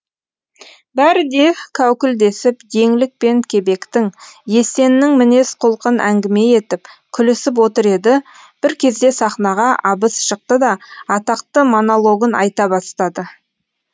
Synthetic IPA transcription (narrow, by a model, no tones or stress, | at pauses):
bæɾɪd̪e̞kʲʰæwkʲɪld̪e̞sɪpd̪e̞ŋlɪk̚pe̞ŋkʲʰe̞be̞kt̪ɪŋje̞se̞nɪːɪŋmɪne̞sqʰʊlˠqənʔæŋɡʲɪme̞je̞t̪ɪpkʲʰʏlɪsɪp̬wo̞t̪əɾe̞d̪ɪ | b̥ɪɾkʲʰe̞zd̪e̞sɑχnɑʁɑʔɑbəsʃəq̚t̪əd̪ɑɑt̪ɑq̚t̪əmo̞nolˠo̞ɡənʔɑ̰jt̪ɑbɑst̪ɑd̪ə